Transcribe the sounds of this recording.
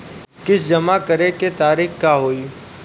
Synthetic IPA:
kɪsd͡ʒɐmakɐɾeket̪aːɾiːxkaːɦoːiː

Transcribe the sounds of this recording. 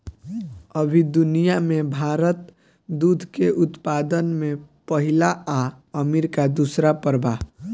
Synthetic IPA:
əbʱid̪unijamẽbʱaːɾət̪ | d̪ud̪ʱkeʔʊt̪pad̪ənmẽpəɦilaa | əmeɾkad̪usɾapəɾba

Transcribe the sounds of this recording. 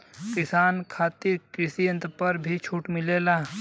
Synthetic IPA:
kɪsaːnkʰaːt̪ɪɾkɾɪsiə̃nt̪pɐɾbʱit͡ʃʰuːʈmɪleːlaː

